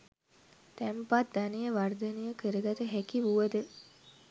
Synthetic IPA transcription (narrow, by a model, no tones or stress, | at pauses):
t̪æmpat̪̚d̪anijəʋard̪ənijəkəɾəɡ̪at̪əɦækiʋuʋəd̪ə